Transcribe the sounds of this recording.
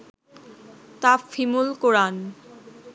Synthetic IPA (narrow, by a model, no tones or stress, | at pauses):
t̪afimulkoɾan